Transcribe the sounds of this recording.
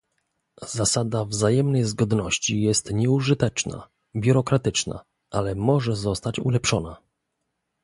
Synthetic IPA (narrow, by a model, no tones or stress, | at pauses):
zasad̪avzajɛmnɛjzɡɔd̪nɔɕt͡ɕijɛst̪ɲɛuʐɘt̪ɛt͡ʂna̰ | bʲjuɾɔkɾat̪ɘt͡ʂna̰ | ʔalɛmɔʐɛzɔst̪at͡ɕṵlɛpʂɔna